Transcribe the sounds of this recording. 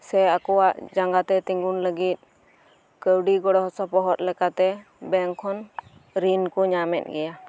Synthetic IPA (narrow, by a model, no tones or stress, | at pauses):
sɛakɔwaʔd͡ʒaŋɡat̪ɛt̪iŋɡunləɡit̪̚ | kəwɖiɡɔɽɔɦɔsɔpɔɦɔt̪̚lɛkat̪ɛ | bɛŋkʰɔn | ɾinkɔɲamɛ̰t̪̚ɡɛja